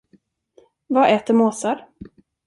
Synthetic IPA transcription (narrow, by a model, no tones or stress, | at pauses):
vaʔɛːt̪əɾmoːsaɾ